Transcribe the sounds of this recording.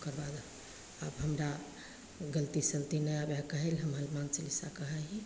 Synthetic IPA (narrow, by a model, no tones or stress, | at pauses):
kəɾbad̪ | abɦəmɾa | ɡəlt̪isəlt̪inəabakəɦelɦəmɦəlmant͡ʃəlisakəɦaɦi